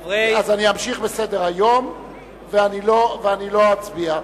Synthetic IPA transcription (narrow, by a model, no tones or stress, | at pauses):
azaniamʃiχbesede̞ʁajo̞m | veaniloveanilo̞at͡sbia